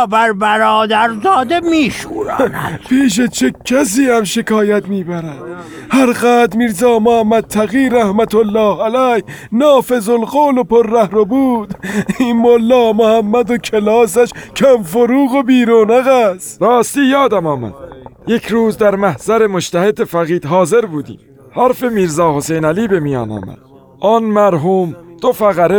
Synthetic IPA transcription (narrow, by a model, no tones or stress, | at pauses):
bæɾbæɾɒːd̪æɾzɒːd̪emiːʃuːɾæ̰npʰiːʃ̬et͡ʃʰecʰæs̬iːhæmʃe̞kɒːjæt̪miːbæɾæd̪̥ | hæɾɣæːt̪d̪miɾzɒːmohæmːæd̪̚t̪ʰːæɣiːɾæhmæt̪ʰolːɒːhælæh | nɒːfe̞zolɣoːlopʰoɾːæhɾobuːd̪̥inmolːɒːmohæmːæd̪okʰelɒːs̬æʃcʰæmfoɾuːɣobiːɾoːnæɣæsɾɒːst̪iːjɒːd̪æmɒːmæ̰d̪̥̚je̞kʰɾuːzd̪æɾmæhz̥æɾe̞moʃt̪ʰæhe̞d̪efæɣiːd̪̥ɦɒːze̞ɾbuːd̪ḭːm | hæɾfe̞miːɾzɒːhosejnæliːbe̞mijɒ̰ːnɒ̰ːmæ̰d̪̥̚ | ʔɒːnmæɾɦuːmd̪̥ofæɣæɾe